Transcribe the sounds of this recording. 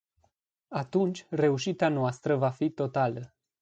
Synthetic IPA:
at̪unt͡ʃʲre̞uʃit̪eanoast̪ɾəvafit̪o̞t̪alə

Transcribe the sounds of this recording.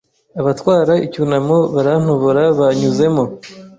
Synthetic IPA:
aβatwaːɾaicunamoβaɾan̥hoβoɾaβaɲuze̞mo̞

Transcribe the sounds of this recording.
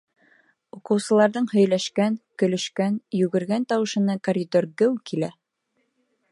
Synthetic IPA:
uqɤ̆wsɤ̆lˠɑɾðɤɴhɵ̆jlæʃkæŋkɵ̆lɵ̆ʃkænjʉɡɘ̆ɾɡænt̪ɑwɤ̆ʃɤ̆nɤkoɾʲɪd̪orɡɘwkilæ

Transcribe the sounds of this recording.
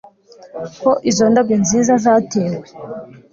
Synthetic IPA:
koʔizo̞ndab̚ɡenziːzazaːteːwe

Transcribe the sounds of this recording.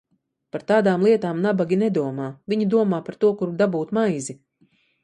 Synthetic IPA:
paɾt̪aːd̪aːmlˠiɛt̪aːmnabaɡʲinɛd̪uɔmaːviɲid̪uɔmaːpaɾt̪uɔkuɾd̪abuːt̪majzi

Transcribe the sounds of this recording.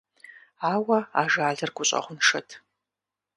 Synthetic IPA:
aːwɐaːʒaːɮɐrɡʷʊɕʼɐ̰χʷʊnʂɐtʰ

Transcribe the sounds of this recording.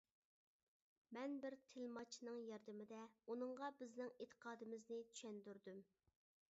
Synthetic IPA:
mɛnbɪɾt̪ʰɪlmɑt͡ʃʰnɨŋjɑɾd̪ɪmɪd̪ɛunɨɴʁɑbɪznɪŋet̪ʰə̥qʰɑːd̪ɨmɪznɪt̪ʰy̥ʃɛnd̪yɾd̪ym

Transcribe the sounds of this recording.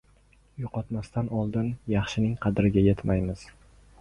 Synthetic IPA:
joqɒt̪mast̪anɒlˠd̪ɪnjɑχʃɪnɪŋqʰɑd̪ɪɾɪɡʲajet̪majmɪz̥

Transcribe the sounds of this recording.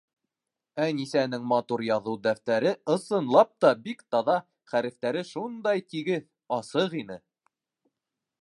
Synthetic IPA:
ænisænɘŋmɑt̪uɾjɑðɤwd̪æft̪æɾɘɤ̆sɤ̆nlˠɑp̚t̪ɑbikt̪ɑðɑ | χæɾɘ̆ft̪æɾɘʃund̪ɑjt̪iɡɘð | ɑsɤʁinɘ

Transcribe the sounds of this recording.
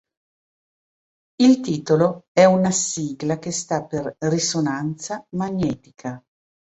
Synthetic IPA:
ilt̪iːt̪oloɛunasiːɡlak̟est̪apːerrisonant̪samaɲːɛːt̪ikʰa

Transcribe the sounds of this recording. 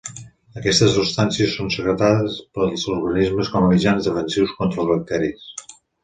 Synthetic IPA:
əkɛst̪əsupst̪ansiəsːonsəɣɾət̪aðəspəlˠzuɾɣənizməskɔməmid͡ʒanzðəfənsiwskɔnt̪ɾəlˠzβək̚t̪ɛɾis

